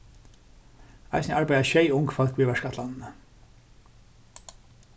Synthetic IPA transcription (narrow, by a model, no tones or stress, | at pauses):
a̰jsnəʔaɹpajðaʃejʊŋkfɔl̥kʋiːʋɛʂkat̪lannə